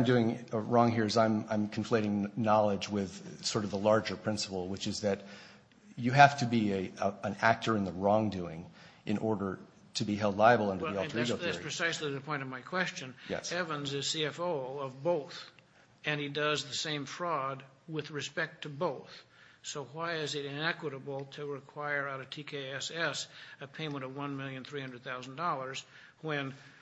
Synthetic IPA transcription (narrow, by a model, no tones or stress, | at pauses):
ãɪ̃mdʉɪ̃ŋɹɔ̃ŋɦiɹzãɪ̃mãɪ̃mkʰɱ̩fleɪɾɪ̃ŋnɑlˠəd͡ʒwɪð̥sɔɹɾʌvðəlɑɹd͡ʒə˞pʰɹ̥ɪ̃nsə̥pl̩ˠwɨt͡ʃɨzðɨt͡ʃ | ɨɦæftʰɨbiə̃næk̚tʰə˞ɨ̃nðəɹɔ̃ŋdʉɪ̰̃ŋ | ʔɨ̰̃nʔɔɹɾə˞ | ɾɨbiɦɛlˠdˡlaɪɨbl̩ˠʌ̃ndə˞ðiɔlˠə˞iɡ̩ˠðæspɹ̥ɨsaɪsliðɨpʰɔ̃ɪ̃ñʌvmaɪkʰw̥ɛst͡ʃɨ̃njɛ̰sɛvə̃nzɨz̥siɛfoʊʌvboʊθ | ɨ̃nidʌzðɨsẽɪ̃ɱfɹɔd̚ | wɪðɹɨspɛk̚tʰɨboʊθ | soʊwaɪɪzɨɾɪ̃nɛkwəɾəbl̩ˠtʰɨɹɨkʰw̥aɪə˞aʊɾɨ̥tʰikʰeɪɛsɛsɨpʰẽɪ̃mə̃ɾ̃ʌvwʌ̃nmɪlˠjɨ̃nθɹihʌ̃ndɹəd̪̚θaʊzn̩dɔlˠə˞z̥ | wɨ̃n